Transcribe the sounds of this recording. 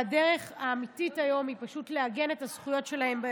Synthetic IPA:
adeʁe̞χaːmititajo̞mipaʃutleaɡe̞ne̞tazχujo̞tʃe̞lahe̞mbe

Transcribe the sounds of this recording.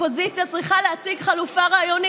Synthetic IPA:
po̞zit͡sjat͡sʁiχaleat͡siɡχalufaʁaːjoni

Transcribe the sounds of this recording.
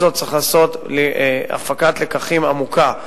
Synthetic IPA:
zot̪̚ːt͡siχlaːso̞tlia̰fakatlekaχimamuka

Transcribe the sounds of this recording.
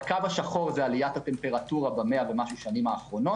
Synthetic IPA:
kavaʃaχo̞ʁzealijat̪hat̪e̞mpe̞ʁat̪uʁabameave̞maʃuʃanimaːχʁo̞no̞

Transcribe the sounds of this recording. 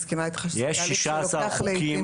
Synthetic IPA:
skimait̪χaʃjɛʃiʃasalkim

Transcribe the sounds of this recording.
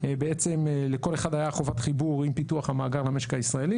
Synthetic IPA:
beet͡se̞mleko̞le̞χadajaχo̞vatχibuʁimpituaχhamaːɡaʁlame̞ʃekaisʁae̞li

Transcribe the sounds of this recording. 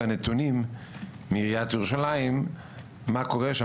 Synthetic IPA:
anet̪unimː | iʁijat̪juʁuʃalaimː | ako̞ʁeʃa

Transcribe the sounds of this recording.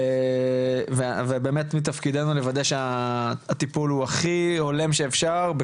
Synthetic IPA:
vevebeːmet̪mit̪afkid̪enule̞vad̪ajʃeaat̪ipuluaχihole̞mʃeːfʃaʁbe

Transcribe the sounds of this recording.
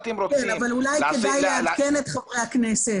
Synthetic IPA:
kenavalulajkedajeamkenet̪χavʁejhakneset

